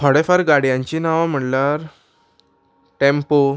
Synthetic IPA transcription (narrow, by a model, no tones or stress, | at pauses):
ɔɽefaɾɡaɽjãɲt͡ɕiːnaʋam̤əɽlaɾ | ʈempo